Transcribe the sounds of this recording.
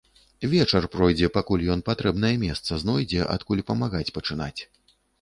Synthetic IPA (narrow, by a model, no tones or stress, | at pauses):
vʲɛt͡ʂɐrpɾɔjd͡zʲɛpakulʲjɔn̪pat̪ɾɛbn̪ɐjɐmʲɛst̪sɐznɔjd͡zʲɛʔa̰t̪kulʲpɐmaɣat͡sʲpɐt͡ʂɨna̰t͡sʲ